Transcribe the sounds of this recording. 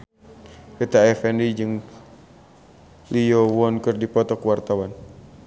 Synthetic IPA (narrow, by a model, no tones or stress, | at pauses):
ɛt̪aɛfɛndid͡ʒɨŋ | liɔwɔnkɨrdipɔt̪ɔkəwart̪awan